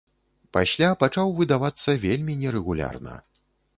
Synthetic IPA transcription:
pasʲlʲapat͡ʂawvɨd̪avat̪sːɐvʲelʲmʲinʲɛɾɛɣulʲa̰rnɐ̰

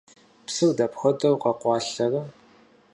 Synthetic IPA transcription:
psɨwdɐpxʷɐdʼɐwqɐqʷɑːɬɐrɐ

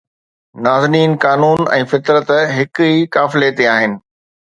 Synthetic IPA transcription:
naːzɪniːnkaːnuːnɛ̃ːfɪt̪ɾət̪ɦɪkiːkaːfɪlet̪eaːɦɪnɪ̆

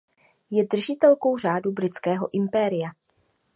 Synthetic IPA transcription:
jɛdr̩ʒɪt̪ɛlko̞wr̝aːdubɾɪt͡skɛːɦo̞̰ʔɪmpɛɾɪja

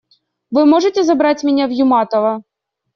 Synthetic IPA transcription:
ʋɪmɔʐet̪ɛzɐbɾɑtʲmʲinʲawjʊmɑt̪ɔʋɐ

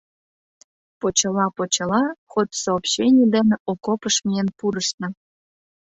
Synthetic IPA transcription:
pot͡ɕəlɑpot͡ɕɤlɑxot̪soopɕenʲid̪eneʔokopəʃmienpuɾəʃnə̆

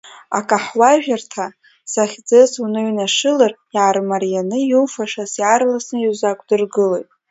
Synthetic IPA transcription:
a̰kʼaħwaʒᶣartʰa | saχʲd͡zɨsunɨɥnaʂɨlarjaːrmarjanɨjuwfaʂasjarlasnɨjuzakʷʼdɨrɡɨlojtʼ

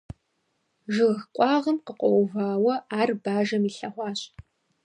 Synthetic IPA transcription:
ʒɨʁxqʷʼɑːʁɐmqəqʷʼɔwvaːwɐaːrbaːʒɐmiːɬɐχʷɑːɕʼ

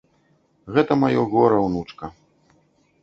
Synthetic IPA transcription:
ɣɛt̪ɐmajɔɣɔɾɐwnut͡ʂkɐ

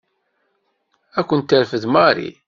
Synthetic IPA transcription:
ækʷːənt̪ːəɾfəðmaɾḭ

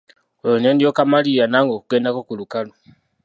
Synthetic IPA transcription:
ojonendijokamalijanaːŋɡokuɡeːndako̞kulukalo

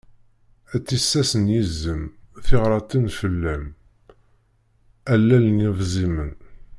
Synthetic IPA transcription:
æt͡sːisːæsənjizːəmθiʁɾˤɑt̪infəlːæm | ælːælnivzimən

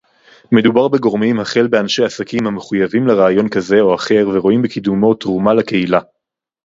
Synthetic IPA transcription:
me̞d̪ubaʁbe̞ɡo̞ʁmimhaχe̞lbeanʃe̞jasakimhameχujavimleʁaːjo̞nkaze̞o̞aχe̞ʁveʁo̞imbekid̪umo̞tʁumalake̞hila

